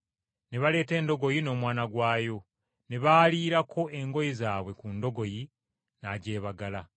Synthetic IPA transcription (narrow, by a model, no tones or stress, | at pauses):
ne̞βale̞ːte̞ːndo̞ɡo̞jino̞ːmwaːnaɡwaːjo̞ | ne̞βaːliːɾakʰo̞ʔe̞ŋɡo̞jizaːβwe̞kundo̞ɡo̞ji | naɟe̞ːβaɡala